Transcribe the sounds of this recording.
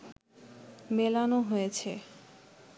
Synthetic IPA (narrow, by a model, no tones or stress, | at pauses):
melanoɦojet͡ɕʰe